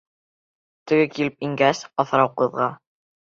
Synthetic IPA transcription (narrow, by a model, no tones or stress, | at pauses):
t̪ɘ̆ɡɘkilɘpiŋɡæsɑθɾɑwqɤ̆ðʁɑ